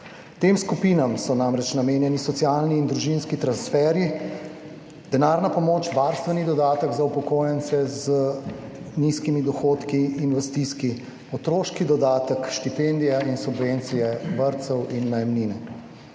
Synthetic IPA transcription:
t̪emskupinamsɔnamɾɛt͡ʃnameːnjɛnisɔt̪sjaːlniːnd̪ɾuʒinskit̪ɾansfɛɾi | d̪̥ɛnaːɾnapɔmoːt͡ʃʋaɾst̪ʋɛnid̪ɔd̪aːt̪əɡzaupɔkoːjɛnt̪sɛzə | niskimid̪ɔxoːt̪kiːnʋɛst̪iski | ɔt̪ɾoːʃkid̪ɔd̪aːt̪əkʃt̪ipend̪ijainsubʋent̪sijɛbəɾt̪səwinːɐjɛmninɛ

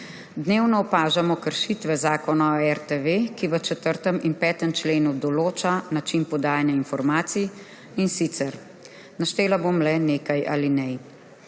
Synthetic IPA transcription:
d̪neːwnɔɔpaːʒamɔkəɾʃit̪ʋɛzaːkɔnaoɛɾt̪eʋekiʋət͡ʃɛt̪əɾt̪əmʔinpɛːt̪əmt͡ʃleːnud̪ɔloːt͡ʃanat͡ʃinpɔd̪aːjanjainfɔɾmaːt̪si | insit̪sɛɾ | naʃt̪eːlaboːmlɛneːkajʔa̰linɛ

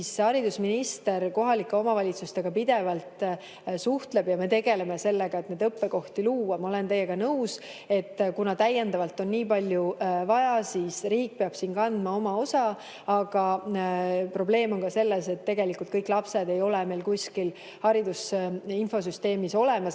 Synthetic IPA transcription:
shɑɾid̪usminist̪e̞ɾko̞ɦɑlikːˑeo̞mɑvɑlʲit̪sust̪e̞ɡ̥ɑpid̪̥e̞vɑlt̪ | suht̪le̞b̥jɑme̞t̪e̞ɡe̞le̞mese̞lːeɡ̥ɑe̞t̪ned̪ɤpːe̞ko̞ht̪iluːwɑmɑo̞le̞nt̪e̞jːeɡ̥ɑnɤwse̞t̪ːkunɑt̪æjːend̪ɑvɑlt̪ːˑo̞nːiːpɑlʲjuvɑjɑsiːsriːk̚peɑb̥siːnkɑnd̪mɑo̞mɑo̞sɑ | ɑɡ̥ɑ | pro̞ble̞ːmo̞ŋkɑse̞lːese̞t̪ːe̞ɡe̞likult̪̚kɤjkːˑlɑpse̞d̪e̞jo̞leme̞jlkuskil | hɑɾid̪usinfo̞s̬yst̪e̞ːmiso̞le̞mɑs

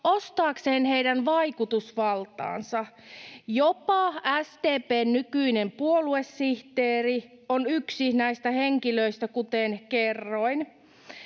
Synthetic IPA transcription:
ost̪ɑːkseːnheijdænʋɑikut̪usʋɑlt̪ɑ̰ːnsɑjopɑæst̪eːpeːnːykyinempuolue̞sːiht̪eːrionyksinæist̪æheŋkiløist̪ækut̪enkerːoin

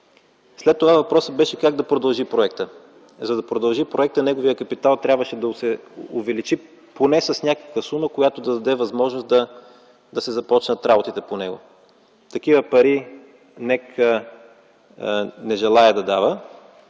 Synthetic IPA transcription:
slɛt̪ːovavɐpɾɔsəd̪̚bɛʃɛkaɡ̚d̪ɐpɾod̪ɐlˠʒipɾoɛk̚t̪ə | zɐd̪ɐpɾod̪ɐlˠʒipɾoɛk̚t̪ənɛɡovijəkɐpit̪alˠt̪ɾʲjabvəʃɛd̪ɐsɛʊvɛlit͡ʃi | ponɛsɐsnʲakə̥kvəsuməkojat̪od̪ɐd̪ɐd̪ɛvɐzmɔʒnosd̪ɐ | d̪ɐsɛzɐpɔt͡ʃnət̪ɾabot̪it̪ɛponɛɡo̰ | t̪ɐkivəpɐɾi | nɛkʰə | nɛʒɛlˠaɛd̪ɐd̪avə

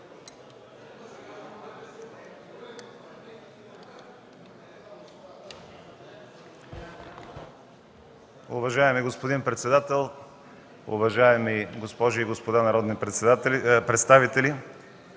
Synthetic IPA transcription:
ʊ̰vɐʒaɛmiɡospod̪inpɾɛt̪sɛd̪at̪ɛlˠ | ʊ̰vɐʒaɛmiɡospɔʒʊiɡospod̪anɐɾɔd̪ni | pɾɛt̪st̪avit̪ɛli

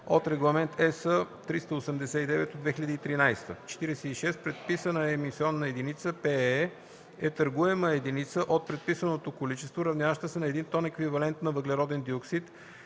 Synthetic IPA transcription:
ot̪ɾɛɡlˠɐmɛnt̪ʰɛsə | t̪ɾist̪əosɛmd̪ɛsɛid̪ɛvɛt̪od̪vɛxiʎəd̪əit̪ɾinajst̪ət͡ʃɛ̥t̪iɾɛsɛiʃɛst̪pɾɛt̪̚pisənəɛmisiɔnːɐɛd̪init̪səpɛɛ | ɛt̪ɐɾɡuɛməɛd̪init̪səʔot̪̚pɾɛt̪̚pisənot̪okolit͡ʃɛst̪voɾɐvnʲjavəʃt̪əsɛnɐɛd̪int̪ɔnɛkvivɐlɛnt̪nɐvəɡlɛɾɔd̪ɛnd̪ioksit̪

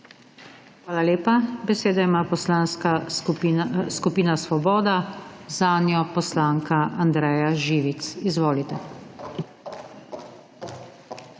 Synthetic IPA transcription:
xʋaːlaleːpabɛseːd̪aimaːpɔslaːnska | skupiːnasʋɔbɔːd̪azaːnjɔpɔslaːŋkaʔand̪ɾɛːjaʒiːʋit̪sizʋoːlit̪ɛ

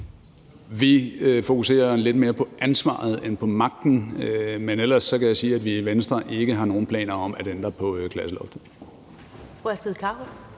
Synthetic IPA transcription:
ʋifo̝kʰuse̝̰ːɐle̝d̥me̝ːɐpʰɒ̽ʔænsʋɑ̰̈ːð̞̩ˠenpʰɒ̽mɑ̈ɡ̥̚d̥n̩menel̰ɐsːɒ̽kæjäsiːæd̥ʋiiʋensd̥ʁɐʔe̝ɡ̥əɦɑ̈no̝ːn̩pʰlɛ̰ːnɐɒ̽mæd̥end̥ɐpʰɒ̽kʰlæsəlɒ̽fd̥ | fʁuæsd̥eðˠkʰɑ̥̈o

